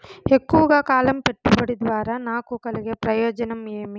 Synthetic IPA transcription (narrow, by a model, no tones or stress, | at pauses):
ekːuʋɐɡaːkaːlɐmpeʈːubɐɽid̪ʋaːɾɐnaːkukɐlɛɡepɾɐjɔːd͡ʒɐnɐmeːmi